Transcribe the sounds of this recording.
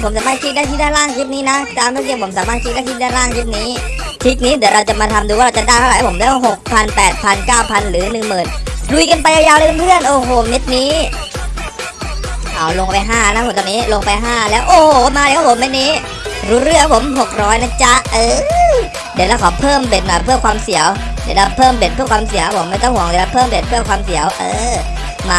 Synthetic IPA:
pʰo˩˦msaː˨˦maː˥˩kʰi˦˥daː˥˩t̪ʰiː˥˩naː˥˩ɾaː˥˩ŋkʰi˦˥t̪̚niː˦˥na˦˥t̪aː˧mɾɯ˧˥˩si˧˩˨pʰo˩˦msaː˨˦maː˥˩kʰi˦˥da˥˩tʰi˧˥t̪̚naː˥˩jɾaː˥˩ŋsʰi˦˥p̚niː˦˥ | t̪ʰi˦˥t̪̚niː˦˥d̪i˨˩˦əɾa˧wt͡ɕa˨˩maː˧t̪ʰa˧md̪uː˧aː˥˩ɾa˧wt͡ɕa˨˩daː˥˩t̪ʰa˨˩˦pʰmlɛː˦˥˧ɦo˨˩k̚pʰa˧npɛː˨˩t̪̚pʰa˧nkaː˥˩wpʰa˧nɾɯː˩˦nɯ˨˩ŋmɯː˨˩nlu˧jka˧npa˧jʔa˧jaː˧wla˧˩knpʰɯ˥˩ənʔoː˧˩ɦoː˨˩ne˦˥t̪̚niː˦˥ | ʔa˨˩wlo˧ŋpa˧jɦaː˥˩na˦˥pʰt̪ɔː˧niː˦˥lo˧ŋpa˧jɦaː˥˩lɛː˦˥wʔoː˧˩ho˨˩˦maː˧ɾkʰa˦˥˩o˩˦me˦˥t̪̚niː˦˥ | ɾuː˦˥ɾɯ˥˩ə˨ŋpʰo˩˦mɦo˨˩k̚ɾɔː˦˥jna˦˥t͡ɕa˦˥ʔɤː˧˩ | di˨˩la˧˥˩kʰɔː˨˩˦pʰɤː˥˩mbe˨˩t̪̚maː˧˩pʰɯ˥˩ɐkʰwaː˧msi˨˩˦əwdi˨˩la˦˥pʰɤː˥˩mbe˨˩t̪̚pʰɯ˥˩ə˩kʰwaː˧ms̬i˨˩˦ka˦˥pʰo˩˦ma˥˩t̪ɔ˥˩ŋhu˨˩˦ŋdla˦pʰɤː˥˩mbe˨˩t̪̚pʰɯ˥˩ɐkwaː˧msi˨˩˦əwʔɤː˧ | maː˧

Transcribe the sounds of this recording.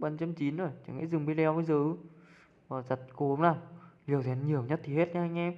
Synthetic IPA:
ɓa˨˩nt͡ɕə˧mt͡ɕi˨˦nzo˨˩jt͡ɕa˧˩ŋḭ˧˥zɨ˨˩ŋ͡mɓi˧˦lɛ˧wmə˧jzɨː˨˦˧ | vaː˨˩za˨˩t̚ko˨˧˦ŋ͡mnaː˨˩wli˨˩əwzɛ˨˦nɲi˨˩əwɲə˦˥t̚t̪ʰi˨˩he˦˥t̚ɲa˧ha˧jŋ̟ʔɛ˧m

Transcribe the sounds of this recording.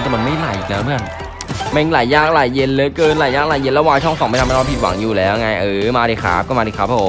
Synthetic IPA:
ntɛ˨˩ma˧nma˥˩jla˨˩˦jʔḭ˨˩k̚na˦˥mɯ˥˩ən | m˧˨˧laː˨˩˦jːaː˥˩k̚laː˨˩jːe˧nlɤː˦kɤː˧nlaː˨˩jaː˥˩k̚laː˨˩je˧lɛ˦˥waː˧t͡ɕʰɔ˥˩ŋsɔ˨˦ŋm˥˩t̪ʰmː˧˥˩pʰi˨˩t̪̚wa̰˩˦ŋjuː˨˩lɛː˦˥wŋa˧jʔɤː˧˩maː˧ɾiː˨˩kʰa̰ː˦˥p̚kɔː˥˩maː˧di˨˩kʰɾa˦˥pʰːoː˨˦m

